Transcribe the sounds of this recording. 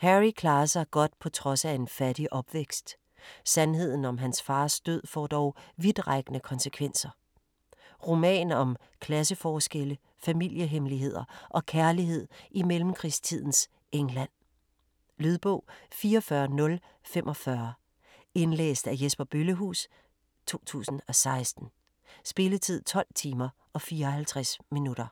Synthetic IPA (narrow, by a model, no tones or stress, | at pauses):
hæʁikʰlɑ̈ːɐsɑ̈ɪɡ̥ɒ̽d̥pʰɒ̽t͡sʰʁɒ̽sæe̝nfæd̥iʔɒ̽b̥ʋeɡ̥sd̥ | sænɦe̝ð̰ˠn̩ɒ̽mɦænsfɑ̈ːsd̥øð̞̰ˠfɒ̰ːd̥ɒʊʋið̥ˠʁaɡ̥ənəkʰɒ̽nsəkʰʋen̰sɐ | ʁo̝mɛ̰ːnɒ̽m | kʰlæs̬əfɒːsɡ̥elə | fæmil̰jəɦemliɦe̝ð̞̰ˠɐʔɒ̽kʰæɐliɦe̝ð̰ˠimelm̩kʰʁist͡sʰið̞̰ˠn̩s | eŋlæn̰ | lyð̞ˠb̥ɔ̽ʊ̰fiːɐɒfɶɐnɔ̽l | femʔɒ̽fɶɐ | e̝nlḛːsd̥æjesb̥ɐb̥yləɦṵːs | t͡sʰo̝̰ːt͡sʰṵːsn̩ɒ̽sɑ̈ɪsd̥n̩ | sb̥e̝lət͡sʰið̞̰ˠt͡sʰɒ̽l̰t͡sʰiːmɐ | ʔɒ̽fiːɐhælt͡sʰʁasminuɾ̥ɐ